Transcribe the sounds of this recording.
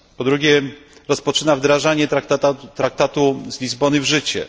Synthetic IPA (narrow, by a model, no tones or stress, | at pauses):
pɔd̪ɾuɡʲɛɾɔspɔt͡ʂɘnavd̪ɾaʐaɲɛtakt̪at̪at̪ɾak̚t̪at̪uzlʲizbɔnɘvʐɘt͡ɕɛ̰